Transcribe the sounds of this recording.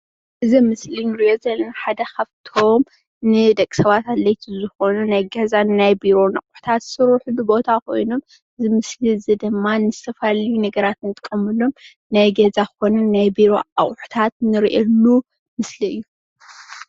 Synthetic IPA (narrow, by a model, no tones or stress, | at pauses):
ʔɨzimɨslinɨɾio̞zɐlːɐnħad̪ɐxɐβt̪ʰom | nɨd̪ɐkʼi̥sɐβat̪alɐjt̪ʰizɨxo̞nunajɡɐzanɨnajbiɾo̞nɐkʼʊ̥ħt̪ʰat̪sɨɾuħubɨbo̞t̪ʰakʰo̞̰jnom | ʔɨzimɨsliɨzid̪ɨmːanɨzɨ̥t̪ʰɐfalɐjunɐɡɐɾat̪nɨt̪ʼkʼːɐmɨlom | najɡɐzakɨxo̞nɐnnajbiɾo̞a̰χʼħu̥t̪ʰat̪nɨɾiʔɐlːu | mɨsliɨjːu